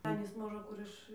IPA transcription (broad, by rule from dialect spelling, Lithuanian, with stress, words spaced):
ˈɑːnʲiːs ˈmoːʒə ˈkʊr ɪʃ